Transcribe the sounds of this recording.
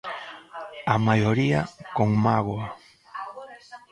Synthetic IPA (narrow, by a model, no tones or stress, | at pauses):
amajoɾiakoŋmaɣoa